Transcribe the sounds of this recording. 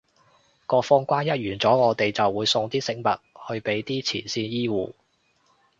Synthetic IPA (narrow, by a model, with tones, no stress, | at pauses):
kɔː˧fɔː˧ŋkʷaː˥njɐ˥t̚jyː˨˩nt͡sɔː˨˥ŋɔː˨˧t̪e˨jt͡sɐ˨wːuː˨˧˥jsʊ˧ŋt̪iː˥sɪ˧ŋmɐ˨t̚hɵ˧ɥpe˨˥jt̪iː˥t͡sʰḭː˨˩nsiː˧njiː˥wṵː˨